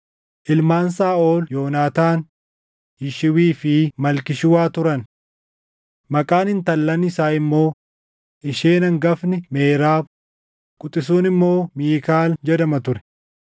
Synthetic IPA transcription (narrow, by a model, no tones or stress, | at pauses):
ʔɪlmaːnsaːo̞ːljo̞ːnaːt̪aːn | jɪʃɪwiːfɪmɐlkɪʃʊwaːt̪ʊɾɐn | mɐkʼaːnhɪnt̪ɐlːɐnɪsaːɪmːo̞ː | ʔɪʃeːnɐŋɡɐfnɪmeːɾaːb | kʼʊt̪ʼːɪs̬uːnɪmːo̞ːmiːkaːld͡ʒɛd̪ɐmɐt̪ʊɾɛ̥